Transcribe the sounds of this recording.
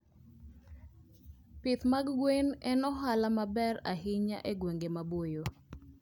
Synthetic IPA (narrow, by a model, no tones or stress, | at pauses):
pɪt̪maɡːwenɛnɔɦalamabɛɾa̰ɦɪɲa̰ʔeɡweŋɡemabojo